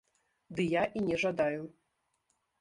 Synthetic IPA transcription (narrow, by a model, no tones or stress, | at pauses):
d̪ɨjaʔinʲɛʐad̪aju